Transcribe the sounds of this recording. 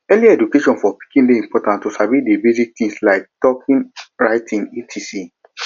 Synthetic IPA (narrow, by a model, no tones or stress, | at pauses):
ɛliaɛdukeʃɔ̃nfɔpi̥kĩnleĩmpɔtãntːusabidebizik̚t̪ĩŋslaɪk̚d̥ɔkʰĩnɹaɪtĩnitʰisi